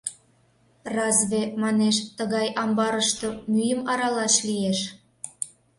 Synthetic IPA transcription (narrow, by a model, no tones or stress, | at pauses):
rɑzβemɑneʃt̪əɣɑjʔɑmbɑɾəʃt̪omyjəmɑɾɑlɑʃlijeʃ